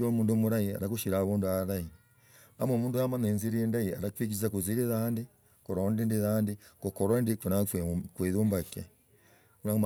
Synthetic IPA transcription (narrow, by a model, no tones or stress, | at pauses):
omuːndumuɾaia̰ɾakuʃiɾaβuːnduaɾai | amomuːnduamanenziɾiendaia̰ɾakwik̬izakuziɾeðande | koɾondendeðandekokɔɾondekenakweðoːmbaka | uɾam